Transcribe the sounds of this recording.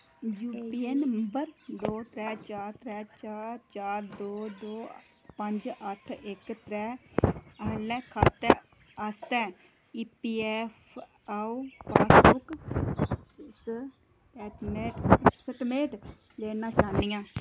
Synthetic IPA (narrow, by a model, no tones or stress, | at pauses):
juːpiːɛːnəəmbəɾd̪oːt̪ɾɛːt͡ʃaːɾt̪ɾɛːt͡ʃaːɾt͡ʃaːɾd̪oːd̪oː | pəɲd͡ʒəʈʰɪkt̪ɾɛːəlɛːkʰaːt̪ɛ | ast̪ɛː | iːpiːɛːpʰ | auːpʰaːsbʊk | s | ɛːʈmeːʈsəʈmeːʈ | leːnãːkaːnijãː